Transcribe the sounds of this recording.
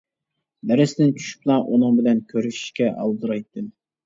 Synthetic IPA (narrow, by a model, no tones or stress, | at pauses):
b̪æɾɪsɪnɪnt͡ʃʰy̥ʃy̥plˠɑʔunɨŋbɪlɛnkʲʰøɾyʃi̥ʃkʲɛʔɑ̰lˠd̪ɨɾɑjt̪ʰːɨm